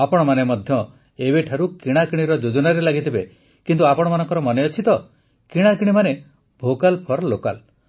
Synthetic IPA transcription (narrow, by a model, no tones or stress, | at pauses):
apɔɽ̃ɔmanemɔd̪ʱjɔ | ebeʈʰaɾukiɽ̃akiɽ̃iɾɔd͡ʒod͡ʒɔnaɾelaɡit̪ʰibe | kint̪uapɔɽɔmanɔŋkɔɾɔmɔneɔt͡ʃʰit̪ɔ | kiɽ̃akiɽ̃imane | bʱokalpʰɔɾloka̰l